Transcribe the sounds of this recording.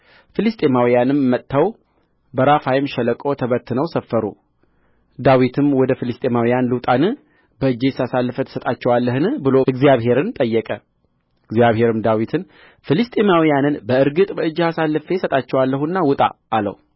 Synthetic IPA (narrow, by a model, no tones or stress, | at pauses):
fɨlɨst̪ʼemawijanɨmːət̪ʼːaw | bəɾafajɪmʃɛləkʼo̞t̪ʰəβət̪ʰːɨnəwsəfːəɾṵ | d̪awit̪ʰɨmwɔd̪əfɨlɨst̪ʼemawijanlɨt̪ʼanɨ | bəɨd͡ʒːesasalːɨfət̪ʰə̥sət̪ʼat͡ʃːɛwalːəhɨnbɨlo̞ɨɡzjaβɦe̞ɾɨnt̪ʼəjːɛkʼə | ɨɡzijaβhe̞ɾɨmd̪awit̪ʰɨn | fɨlɨst̪ʼemawijanɨnbəɨɾɡɨt̪ʼbəɨd͡ʒːasalːɨfesət̪ʼat͡ʃːɛwalːəɦunːawʊt̪ʼa̰ʔːlə̰wu